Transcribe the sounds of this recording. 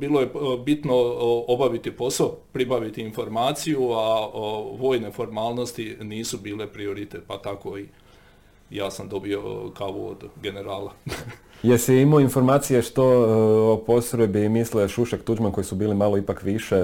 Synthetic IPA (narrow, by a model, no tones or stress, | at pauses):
biːlˠo̞je̞bit̪no̞obaʋit̪ipo̞saopɾibaʋit̪iːnfo̞ɾmaːt̪sijuaʋo̞ːjnefo̞ɾmaːlˠno̞st̪iniːsubiːle̞pɾio̞ɾit̪et̪̚pat̪ako̞i | jaːsamd̪o̞bio̞̰kaʋṵo̰d̪ɡe̞ne̞ɾaːlˠa | jesɛimoinfo̞ɾmaːt̪sijeʃt̪oopo̞sɾebimisleʃuʃekt̪ud͡ʒmanko̞jisubiːlimalˠo̞ipakʋiʃe